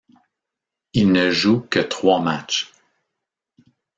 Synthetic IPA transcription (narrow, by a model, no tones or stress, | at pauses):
ilnəʒukət̪χwamat͡ʃ